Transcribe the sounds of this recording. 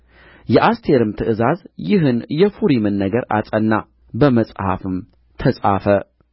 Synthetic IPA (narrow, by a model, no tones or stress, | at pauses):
jɛʔast̪ʰe̞ɾɨmt̪ʰɨʔɨzazjɪɦɨnjɛfuɾimɨnːəɡəɾa̰t͡sʼənːa | bəməsʼha̰fɨm | t̪ʰəsʼafə